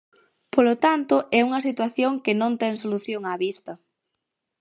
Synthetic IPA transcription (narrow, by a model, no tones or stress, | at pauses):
polot̪ant̪ʊʔɛuŋɐsit̪waθjoŋkɪnõnt̪ɛŋs̬oluθjoŋaβist̪ɐ